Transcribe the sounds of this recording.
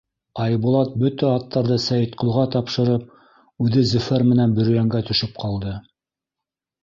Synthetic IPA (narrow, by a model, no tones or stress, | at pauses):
ɑjbulˠɑt̪̚bɵt̪æɑt̪ːɑɾðɤsæjɘ̆t̪qŏlˠʁɑt̪ɑpʃɤ̆ɾɤp̚ | ʉðɘzɵ̆fæɾmɘ̆nænbɵ̆ɾɵ̆jæŋɡæt̪ɵ̆ʃɘp̚qʰɑlˠd̪ɤ